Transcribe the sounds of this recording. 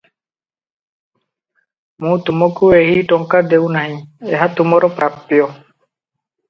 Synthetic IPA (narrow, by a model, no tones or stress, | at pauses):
mũt̪umɔkueɦiʈɔŋkad̪ewnaɦĩeɦat̪umɔɾɔpɾap̪ːijɔ